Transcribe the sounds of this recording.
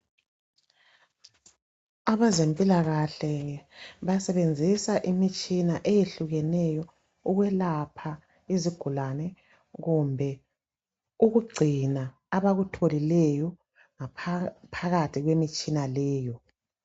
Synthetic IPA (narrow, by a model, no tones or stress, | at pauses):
aβazempʼilaɣaɬɛβasɛβend͡zʱisaʔimit͡ʃʼinaʔejeɬuɣɛnɛjɔ | uɣwɛlapʰa | iziɡ̥ʱulanɛ | ɣumbʱɛ | uɣuɡ͡ǀʱinaː | βaɣutʰolilɛjɔ | ŋapʰaɣatʰiɣwemit͡ʃʼinalɛːjɔ